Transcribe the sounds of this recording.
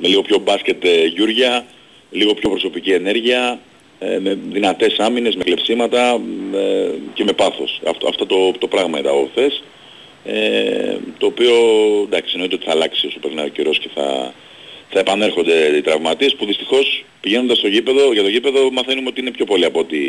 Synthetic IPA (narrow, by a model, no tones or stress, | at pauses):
meliɣo̞pço̞bɐsce̞t̪ʝuɾʝɐ | liɣo̞pço̞pɾo̞so̞picie̞ne̞ɾʝiɐ | eme̞ðinɐt̪e̞sɐmine̞zme̞klepsimɐt̪ɐ | ce̞me̞pɐθo̞̰sɐ̰ft̪ɐ̰ft̪ot̪o̞t̪o̞pɾɐɣmɐit̪ɐ̰oθe̞s | et̪o̞ːpio̞nd̪ɐksino̞it̪eo̞t̪iθɐlɐksiosopeɾinɐoceɾo̞sce̞θɐ̰ | θɐe̞pɐne̞ɾxo̞nd̪e̞it̪ɾɐvmɐt̪iespuðist̪ixo̞s | piʝe̞nod̪ɐst̪o̞ʝipe̞ðo̞ʝɐt̪oʝipe̞ðo̞mɐθe̞numeo̞t̪iine̞pço̞po̞liɐpot̪i